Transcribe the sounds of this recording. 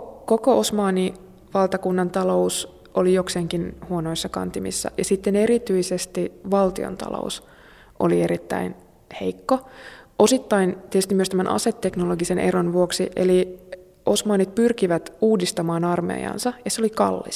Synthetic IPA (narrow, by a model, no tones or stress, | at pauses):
kokoʔosmɑːni | ʋɑlt̪ɑkunːɑnt̪ɑlo̞us | olijokseːŋkinhuono̞isːɑkɑ̰nt̪imḭsːɑ̰jɑsit̪ːene̞ɾit̪yisest̪iʋɑlt̪io̰nt̪ɑ̰lo̰us | ʔo̰lieɾit̪ːæ̰in | he̞ikːoo̞sit̪ːɑint̪iet̪yst̪imyøst̪æmænʔɑ̰set̪ːe̞knoloɡisenʔḛronʋuoksiʔḛli | osmɑːnit̪̚pyrkiʋæt̪uːdist̪ɑmɑːnɑrmḛːjɑ̰nsɑjɑseolikɑ̰lːḭs